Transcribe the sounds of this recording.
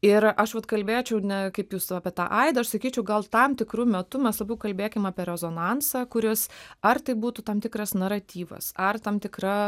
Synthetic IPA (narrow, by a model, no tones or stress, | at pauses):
ɪɾɐʃʋɐt̪kɐlʲbʲeːt͡ʃʲɛʊnʲɛkɐɪpjuːsɑːpʲɛt̪ɑ̰ːʔɐɪd̪ɐɐʃsɐkʲiːt͡ʃʲɛʊɡɐlˠt̪ɐmt̪ʲɪkɾuːmʲɛt̪ʊmʲɛslˠɐbʲɛʊkɐlʲbʲeːkʲɪmɑːpʲɛɾʲɛzoːnɑnsɑkʊɾʲɪsɐrt̪ɐɪbuːt̪ut̪ɐmt̪ʲɪkɾɐsnɐɾɐt̪ʲiːʋɐ̰sɐrt̪ɐmt̪ʲɪkɾɐ